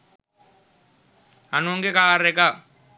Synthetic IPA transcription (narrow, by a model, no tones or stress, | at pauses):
anuŋɡekaːɾɛka